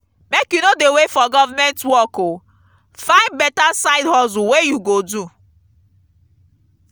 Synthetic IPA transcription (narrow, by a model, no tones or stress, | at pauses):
mekjunodewefɔɡɔvamɛ̃ntwɔko | fãɪ̃nd̚bɛtasaɪdhɔzuwejuɡodu